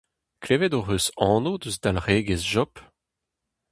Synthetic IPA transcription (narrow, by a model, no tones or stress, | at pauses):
kleːvɛd̪oʁøsɑ̃ːnod̪øzd̪alʁeːɡezʒɔp